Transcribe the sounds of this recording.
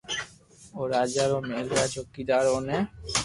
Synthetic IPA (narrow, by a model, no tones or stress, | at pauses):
oɾad͡ʒaɾomelɾat͡ʃokːid̪aɾone